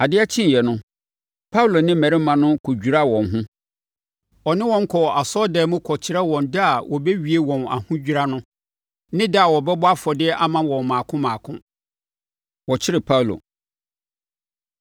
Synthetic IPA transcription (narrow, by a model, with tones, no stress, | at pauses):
a˨dɪ˦a˦t͡ɕʰĩ˦n˨jɛ˨nʊ̃˦ | pʰa˦wu˦lo˨nɪ̃˦mæ̃˨ɾɪ˦mã˨nʊ̃˦kʰo˨d͡ʑᶣu˨ɾa˦wɔ̃˨nɦʊ̃˦ | ɔ˨nɪ̃˦wɔ̃˦ŋ̩˦kʰɔ˨ʔa˨sɔ˦dɛː˨˦mʊ̃˦kʰɔ˨t͡ɕʰɪ˦ɾɛ˦wɔ̃˨ndɪ˦a˨wʔɔ˨bɛ˦ɥi˨e˦wɔ̃˨na̰˨hʊ̃˦d͡ʑᶣi˦ɾa˦nʊ̃˦ | nɪ̃˦dɪ˦a˨wɔ˨bɛ˦bʊ˦a˦fɔ˨dɪ˦ɛ˦ʔa˦˨mã˨wɔ̃˨mãː˨kʰʊ̃˦mãː˨kʰʊ̃˦ | wɔ˨t͡ɕʰɪ˦ɾɪ˨pʰa˦wlo̰˨